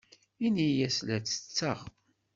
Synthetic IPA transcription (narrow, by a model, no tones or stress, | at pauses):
inijæslæt͡sːə̥t͡sːəʁ